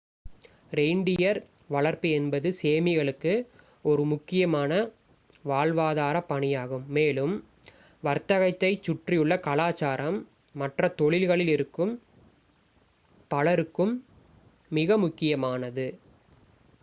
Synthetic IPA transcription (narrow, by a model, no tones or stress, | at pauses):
ɾɛɪɳɖɪjɐɾʋɐɭɐɾpɯɛnbɐðɯseːmɪɣɐɭɯkːɯ | ɔɾɯmʊkːɪjɐmaːnɐ | ʋaːɭʋaːðaːɾɐpːɐɳɪjaːɣɯmːeːlɯm | ʋɐɾt̪ɐɣɐɪt̪ːɐɪt͡ʃːʊʈrɪjɯɭːɐkɐlaːt͡ʃaːɾɐmː | ɐʈrɐt̪ɔɭɪlɣɐɭɪlɪɾɯkːɯm | pɐɭɐɾɯkːɯmː | ɪɣɐmʊkːɪjɐmaːnɐðɯ